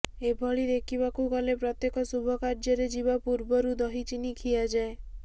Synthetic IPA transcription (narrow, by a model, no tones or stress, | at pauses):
ebʱɔɭid̪ekʰiβakukɔlepɾɔt̪jekɔsubʱɔkaɾd͡ʒɔɾed͡ʒibapuɾbɔɾud̪ɔɦit͡ʃinikʰijad͡ʒae